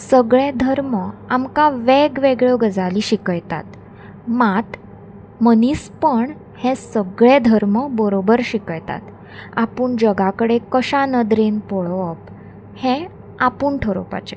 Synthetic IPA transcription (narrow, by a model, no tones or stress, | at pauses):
səɡɭẽd̪ʱəɾməamkaʋeɡʋeɡɭjoɡəd͡zaliːɕikəjt̪a̰t̪ | mat̪ | məniːspəɳ | hẽsəɡɭẽd̪ʱəɾməbəɾobəɾɕikəjt̪a̰t̪ | apuːɳd͡ʑəɡakəɽekəɕanəd̪ɾenpoɭʋəp | hẽ | apuːɳʈʰəɾopa̰t͡ɕe